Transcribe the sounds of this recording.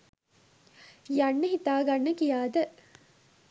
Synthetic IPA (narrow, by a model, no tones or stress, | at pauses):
jɐɳːɐɦit̪aːɡɐɳːɐkijaːd̪ɐ